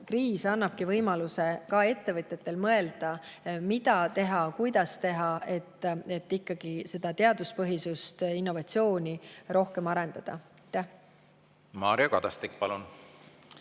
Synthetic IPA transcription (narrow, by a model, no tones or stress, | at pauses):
kriːsɑnːɑb̥kivɤjmɑluse̞kɑe̞t̪ːe̞vɤt̪ʲjet̪ːˑe̞lmɤe̞ld̪̥ɑmid̪ɑt̪e̞ɦɑkujd̪̥ɑst̪e̞ɦɑe̞t̪ːˑe̞t̪ːikːɑɡ̥ise̞d̪̥ɑt̪e̞ɑd̪̥uspɤɦisust̪inːo̞vɑt̪sio̞ːnʲiro̞hke̞mɑɾe̞nd̪̥ɑd̪̥ɑjt̪ːˑæh | mɑːɾiokɑd̪̥ɑst̪ik̚ːpɑlun